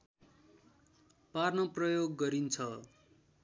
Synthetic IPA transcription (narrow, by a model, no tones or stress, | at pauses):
parnʌprʌjoɡːʌɾint͡sʰʌ